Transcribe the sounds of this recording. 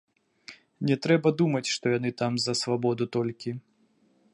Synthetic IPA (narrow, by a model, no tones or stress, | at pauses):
nʲɛt̪ɾɛbɐd̪umɐt͡sʲʂt̪ɔjanɨt̪amzɐsvabɔd̪ut̪ɔlʲkʲi